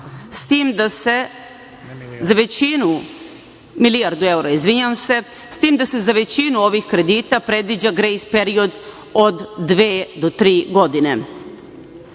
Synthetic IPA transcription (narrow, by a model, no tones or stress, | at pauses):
st̪iːmd̪ase | zaʋe̞t͡ɕinu | milijaɾd̪ue̞wuɾaizʋiɲamse̞ | st̪iːmd̪ase̞zaʋe̞t͡ɕinuo̞ʋixkɾe̞d̪iːt̪apɾe̞d̪ʋid͡ʑaɡɾejspe̞ɾio̞d̪ | od̪ːʋeːd̪ot̪ɾiːɡo̞d̪ine̞